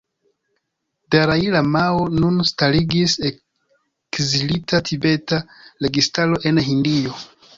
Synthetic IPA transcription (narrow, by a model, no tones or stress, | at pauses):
daɾailamaonunstaliɡise | kzilitatʰibe̞taɾe̞ɡistalo̞ʔe̞nɦindio